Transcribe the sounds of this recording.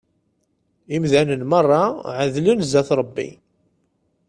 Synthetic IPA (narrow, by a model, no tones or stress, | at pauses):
imðænənmɑrˤːɑʕəðlənzæθɾˤəbːḭ